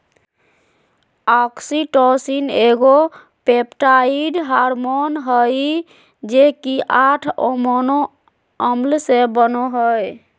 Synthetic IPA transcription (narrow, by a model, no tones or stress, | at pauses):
ɔksiʈɔsineɡo | pepʈaiɖɦaɾmonɦəj | d͡ʒekiʔaʈʰomono | əmlsebənoɦəj